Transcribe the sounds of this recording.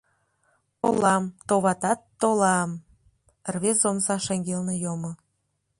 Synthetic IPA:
olɑmt̪oβɑt̪ɑt̪ːolɑm | rβeomsɑʃeŋɡelnejomo

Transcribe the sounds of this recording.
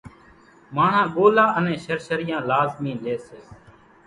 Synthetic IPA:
maːɳ̤ãːɠoːlaːʔənẽːʃəɾʃəɾɪjãːlaːzmĩːleːseː

